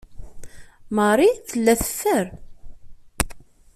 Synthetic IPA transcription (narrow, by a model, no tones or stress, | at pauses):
məɾˤiθəlːæθə̥fːəɾ